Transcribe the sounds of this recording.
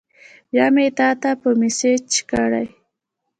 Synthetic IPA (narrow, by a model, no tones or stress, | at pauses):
jamet̪aːt̪apʊmɪset͡ʃkaɽa̰j